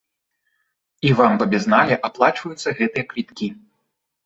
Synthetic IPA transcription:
ivampɐbʲɛznalʲɛʔaplˠat͡ʂvɐjut̪sːɐɣɛt̪ɨjɐklʲit̪kʲi

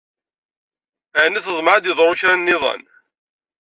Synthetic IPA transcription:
æʕnːiθəzˤməʕad̪jɪðˤɾˤʊçɾænːɪðˤɑ̰n

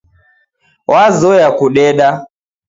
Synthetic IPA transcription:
wʔazɔjakuɗɛɗa

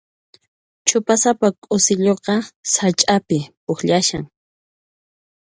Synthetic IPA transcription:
t͡ʃʰʊpasapakʼʊsɪʎoqɑsat͡ʃʼapɪpʊxʎaʃaŋ

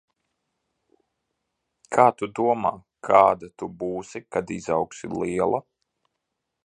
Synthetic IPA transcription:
kʰaːt̪ud̪uɔmaː | kʰaːd̪at̪ubuːsikad̪izawksiliɛlˠa

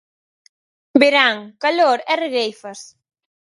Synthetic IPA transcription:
beɾaŋkaloɾɛreɣejfɐs

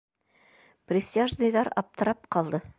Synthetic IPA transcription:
prʲɪsʲiaʒnɤjðɑɾɑ̰p̚t̪ɤ̆ɾɑp̚qɑlˠd̪ɤ

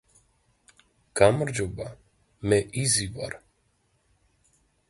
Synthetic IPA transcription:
kamɾd͡ʒuba | mɛʔiziva̰ɾ

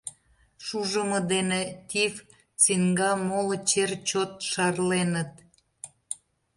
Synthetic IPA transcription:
ʃuʒəmə̆d̪enet̪ʲiv | t͡siŋɡɑmolot͡ɕert͡ɕot̪̚ʃɑrlenət̪

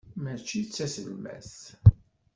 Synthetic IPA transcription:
mæt͡ʃːit͡sːæsəlmæ̰θ

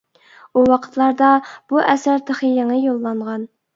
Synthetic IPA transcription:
uwɑqʰə̥t̪ʰlˠɑɾd̪ɑb̥uʔɛsæɾt̪ʰəχijeŋəjolˠːɑɴʁɑn

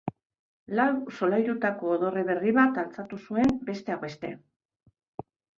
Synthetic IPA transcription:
lawso̞lajɾut̪ako̞ːðo̞re̞βe̞riβat̪alt͡sat̪usue̞mbe̞st̪e̞awβe̞st̪e̞̰

